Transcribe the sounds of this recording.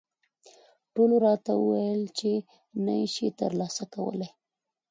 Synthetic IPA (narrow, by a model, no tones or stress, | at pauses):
ʈoloɾɑt̪awṵwajəlt͡ʃe | najʃet̪ə̰ɾlɑsakawə̰laj